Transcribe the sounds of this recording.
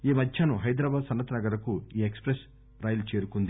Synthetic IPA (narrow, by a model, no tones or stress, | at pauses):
iːmɐd̪ʱjaːnuɦɐjd̪ɾaːbaːd̪sɐnːɐt̪ɐnɐɡɐɾɐkuiːekspɾes | ɾaːjlt͡ʃeːɾukund̪i